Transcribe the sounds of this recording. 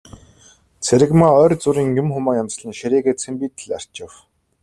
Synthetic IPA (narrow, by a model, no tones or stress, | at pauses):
t͡sʰeɾɘ̆ɣmaːœːrʲt͡sʊɾiːŋjʊmxʊmaːjams̆ɮə̆nʃiɾiːɣeːt͡sʰĕmpiːt̪ɘ̆ɮar̥t͡ɕɪ̆w